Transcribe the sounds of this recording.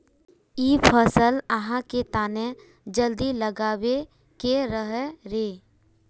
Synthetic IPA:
iːpʰəsələɦãket̪aːnẽ | d͡ʒəld̪iləɡaːwe | keɾəɦeɾeː

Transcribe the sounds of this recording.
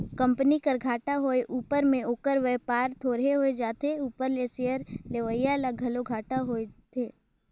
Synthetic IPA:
kə̃mpnikəɾɡʱaːʈaɦoːeʔuːpəɾmẽoːkəɾʋeːpaːɾt̪ʰoːɾɦeɦoed͡ʒaːt̪ʰeuːpəɾlesejəɾleʋəjalaɡʱɐloɡʱaːʈaɦoet̪ʰeː

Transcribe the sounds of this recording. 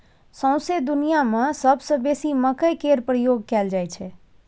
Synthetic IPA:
sə̃w̃sed̪unijamãsəbsə̃besiməkəjkeɾpɾjoɡ̚kɛld͡ʒajt͡ʃʰe

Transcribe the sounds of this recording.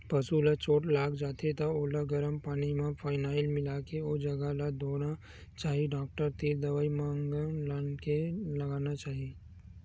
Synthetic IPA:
pɐsulat͡ʃʰoːʈlaːɡd͡ʒaːt̪et̪aoːlaɡɐɾəmpaːnimãpʰaːɪnaːɪlmɪlakeoːd͡ʒɐɡalad̪ʱoːna | t͡ʃaːɦiɖaːk̚ʈəɾt̪iːɾd̪ɐʋaːimãːŋɡlaːnkelɐɡaːnat͡ʃaːɦiː

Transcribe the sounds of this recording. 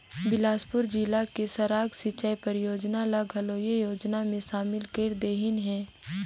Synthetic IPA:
bɪlaːspʊɾd͡ʒilakesɐɾaːɡsit͡ʃajpɐɾɪjoːd͡ʒnalɐɡɦɐloːjejoːd͡ʒnamẽʃaːmɪlkeɾd̪eːɦɪnɦɛ̃ː

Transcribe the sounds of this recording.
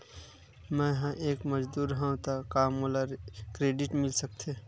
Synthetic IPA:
mɛ̃jɦãʔeːkməd͡ʒd̪uːɾɦɛ̃ũt̪akaːmolaɾkɾeːɖɪʈmɪlsək̚t̪ʰe

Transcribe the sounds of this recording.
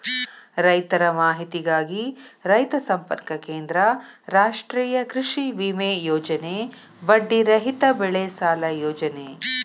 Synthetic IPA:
ɾɐjt̪ɐɾɐmaːɦit̪iɡaːɡiɾɐjt̪ɐsɐmpɐ̰ɾkɐkeːnd̪ɾɐɾaːʂʈɾiːjɐkɾiʂiʋiːmeːjoːd͡ʒɐne | bɐɖːiɾɐɦit̪ɐbɛɭeːsaːlɐjoːd͡ʒɐne

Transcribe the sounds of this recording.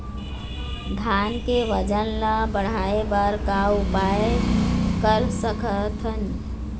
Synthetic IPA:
d̪ʱankeʋəd͡ʒənləbəɽ̤aebaɾkaupaekəɾsəkʰət̪ʰən

